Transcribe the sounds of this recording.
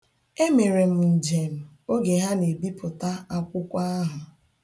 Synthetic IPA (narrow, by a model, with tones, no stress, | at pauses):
e˦me˨ɾe˨m̩˨n̩˨d͡ʒe˨m̩˨ | o˦ɡe˨ɦa˦ne˨bi˦pʊ˨ta˦a˦kʷʊ˦kʷa˦a˦ɦʊ˨